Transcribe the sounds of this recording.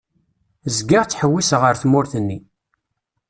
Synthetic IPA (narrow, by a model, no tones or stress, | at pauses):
zɡɪʁt͡sːħəwːisʁəɾθmʊɾθənːi